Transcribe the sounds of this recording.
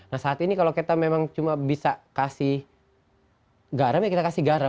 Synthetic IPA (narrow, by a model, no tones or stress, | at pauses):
nahsaːt̪inikaloket̪amemaŋt͡ʃumabisakasih | ɡaɾamjakit̪akasihɡaɾa